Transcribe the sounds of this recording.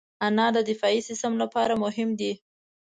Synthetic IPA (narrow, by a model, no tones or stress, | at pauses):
anɑd̪əd̪ɪfɑisɪst̪əmlapɑɾamʊɦɪmd̪i